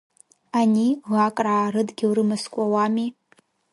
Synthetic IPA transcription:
anʲiɣakʼraːɾɨdɡʲiwɾɨmɨskʷʼawami

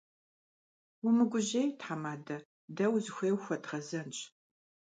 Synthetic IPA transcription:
umɨɡʷʊʑejtħamaːdɐ | dɐwzɨxʷeːwxʷɐdʁɐzɐnt͡ʃʼ

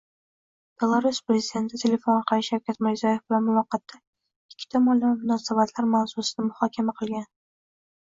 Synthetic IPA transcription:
b̥e̞lˠaɾuspɾezid̪ʲe̞nt̪ʰɪt̪ʰele̞fonqɑɪʃawkʲat̪mɪɾzɒje̞fb̥ɪlanmʊvɑqːɑt̪ʰːa | ɪkʲʰːɪ̥t̪ʰamɒlmʊnɒːsabat̪ʰlaɾmawsusɪnɪmʊhɒkʲʰamaqʰɨlˠɡʲan

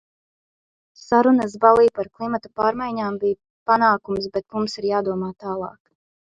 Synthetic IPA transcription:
saɾunəs̬balˠiːpaɾklˠimat̪apaːɾmajɲaːmbij | panaːkumsbɛt̪mumsiɾjaːd̪uɔmaːt̪aːlˠɑ̰ːk

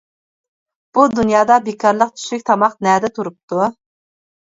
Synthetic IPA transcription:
b̥ud̪unjɑːd̪ɑbekʰɑɾlˠəq̚t͡ʃ̪ʰy̥ʃykʲt̪ʰɑmɑqnɛd̪ɛt̪ʰuɾup̚t̪u

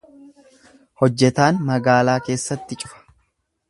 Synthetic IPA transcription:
hɔd͡ʒːɛt̪aːnmɐɡaːlaːke̞ːsːɐt̪ːɪt͡ʃʼʊ̥fɐ̥

